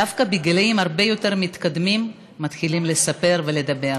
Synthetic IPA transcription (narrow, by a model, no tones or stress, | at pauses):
dafkabiɡeleimhaʁbe̞jo̞te̞ʁmit̪kad̪mimː | at̪χilimle̞sape̞ʁve̞le̞d̪abe̞ʁ